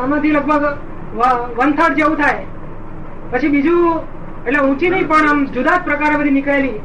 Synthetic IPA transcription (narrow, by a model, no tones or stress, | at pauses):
amãt̪ʰiləɡ̚bʱəɡ | ʋəʋənt̪ʰəɽd͡ʒeũt̪ʰaj | pət͡ʃʰibid͡ʒũ | eʈleũt͡ʃid̪ipəɳamd͡ʒud̪ad͡ʒpɾəkaɾepəd̪inikaelĩ